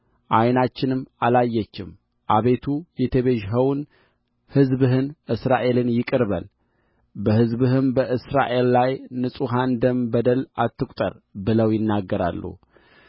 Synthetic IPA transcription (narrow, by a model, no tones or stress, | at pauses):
ʔajnat͡ʃːɪnɨmːalajːɛt͡ʃːɪm | ʔaβe̞t̪ʰujɛt̪ʰəβeʒɦəwn | hɨzbɨɦɨnʔɨsɾaʔe̞lɨnjɪkʼɨɾβə̰l | bəhɨzbɨɦɨmbəʔɨsɾa̰ʔe̞llajnɨsʼuɦand̪əmbəd̪əlʔat̪ːɨkʷʼt̪ʼə̰ɾ | bɨləwjɪnːaɡːəɾa̰lːṵ